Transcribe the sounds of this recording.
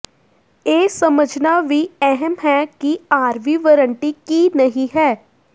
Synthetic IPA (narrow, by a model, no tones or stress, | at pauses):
eːsɐməd͡ʒnaʋʱiɛɦɛmɦɛkiaːɾʋiʋəɾə̃ɳʈikinəɦĩɦɛː